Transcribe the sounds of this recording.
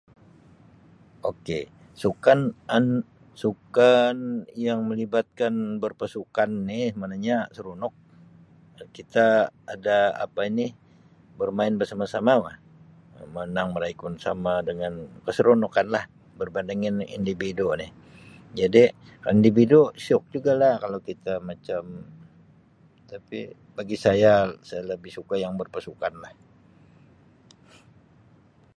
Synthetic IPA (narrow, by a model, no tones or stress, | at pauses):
oke | sukanan | sukanjaŋməlibat̪̚kanbərpasukanːɪhmanaɲasəɾunɔk̚ | kit̪aːdaa̰painɪ | bərmaɪnbərsamasamamah | mənaŋməlajkʊnsa̰madəŋankəsəɾonokanlah | bərbandaŋɪnḭndividunɪh | d͡ʒadi | kaindividusiɔk̚d͡ʒuɡalahkalowkit̪amat͡ʃam | t̪api | baɡisajasajaləbɪhsukajaŋbərpasukanlah